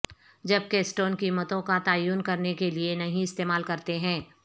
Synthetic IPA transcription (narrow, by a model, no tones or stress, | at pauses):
d͡ʒɐb̚kesʈoːnkiːmət̪õkat̪aːjuːnkɐɾnekelienɐɦĩɪst̪eːmaːlkɐɾt̪eɦɛ̃ː